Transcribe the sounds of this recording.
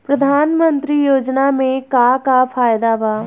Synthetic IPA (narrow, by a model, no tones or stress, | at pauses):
pɾɐd̪ʱaːnmə̃nt̪ɾijoːd͡ʒnamẽkaːkapʰaːjd̪abaː